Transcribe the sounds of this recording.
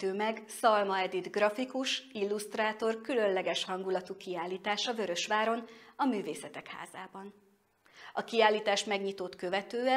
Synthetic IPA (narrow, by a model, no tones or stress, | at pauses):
øːmɛɡsɒlmɒɛd̪id̪ɡrɒfikuʃilːust̪raːt̪o̞rkylø̞nlɛɡɛʃhɒŋɡulɒt̪ukiaːlːiːt̪aːʃɒvø̞ɾø̞ʃʋaːɾo̞nɒmyːveːsɛt̪ɛkha̰ːza̰ːbɒn | ɒkiaːlːiːt̪aːʃmɛɡɲit̪o̞t̪kø̞vɛt̪øːɛ